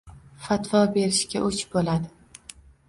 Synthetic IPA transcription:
fat̪vɒbe̞ɾɪʃkʲaʔɵt͡ʃbolad̪ɪ

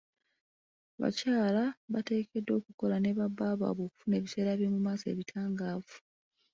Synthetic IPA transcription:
βa̰caːlaβate̞ːkedːo̞ːkuko̞lane̞βabːaβa̰ːβo̞ːku̥fune̞ːβise̞ːɾaβjo̞ːmumaːse̞̰ːβitʰaːŋɡaːvu̥

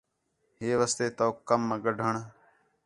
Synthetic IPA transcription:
ɦeːʋəst̪eːt̪oːkəmːəɡəɖʱəɳ

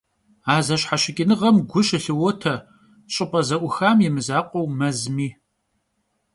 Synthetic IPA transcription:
aːzɐɕħaɕɪkʲʼɪnɨʁɐmɡʷʊɕɪɬɨwɔtʰɐ | ɕʼɨpʼɐzɐʔʷʊxaːmjɛmɨzaːqʷʼɔwmɐzmiː

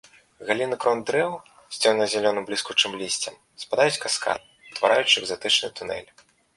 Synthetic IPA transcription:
ɣalʲinɨkɾɔnd̪ɾɛw | sʲt͡sʲɔwnɐzʲalʲɔnɨmblʲiskut͡ʂɨmlʲisʲt͡sʲɐm | spad̪ajut͡sʲkaska̰t̪̚ | t̪va̰ɾajut͡ʂɨɛɡzat̪ɨt͡ʂnɨ̰t̪unɛ̰lʲ

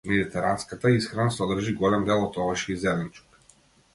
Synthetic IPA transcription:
mɛd̪it̪ɛɾanskat̪aisxɾanasɔd̪rʒiɡɔlɛmd̪ɛlˠɔt̪ɔvaʃizɛlɛnt͡ʃu̥k

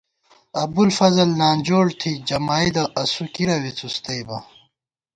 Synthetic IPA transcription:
ɐbulfɐzɐlnaːnʲd͡ʑoːɽt̪ʰid͡ʑɐmaːid̪ɐʔɐsukiɾɐwit͡sust̪ɐjbɐ

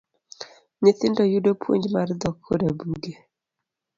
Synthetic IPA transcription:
nɪt̪ɪndɔjudopʰwo̰ɲd͡ʒmard̪ɔkʰːodabuɡe

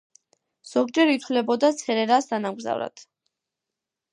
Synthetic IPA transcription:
z̥ɔɡ̚d͡ʒɛɾit̪ʰwlɛbɔd̪at̪sʰɛɾɛɾasd̪anamɡza̰vɾa̰t̪ʰ

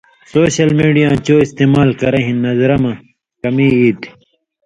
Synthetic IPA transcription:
soːɕɐlmiːɖijãːt͡ɕoːist̪eːmaːlkɐɾɐɦĩnːɐzɾɐmɐ | kɐmiːiːt̪

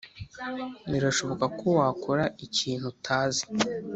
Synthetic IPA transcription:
niɾaʃo̞βo̞kakowaːkoɾaʔiciːn̥hutʰaːzi̥

